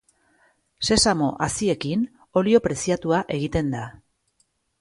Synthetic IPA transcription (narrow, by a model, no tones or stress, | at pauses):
se̞samo̞ʔasie̞kin | o̞lio̞pɾe̞siat̪uaʔe̞ɣ̞it̪e̞nd̪a